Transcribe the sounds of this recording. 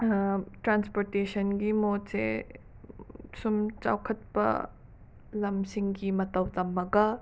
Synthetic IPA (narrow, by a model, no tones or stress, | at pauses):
ʈɾanspoɾtesɐnɡimotsḛ | sumt͡ʃa̰wkʰɐt̪̚pɐ̰ | lɐmsiŋɡimɐt̪ɐwt̪ɐmːɐɡɐ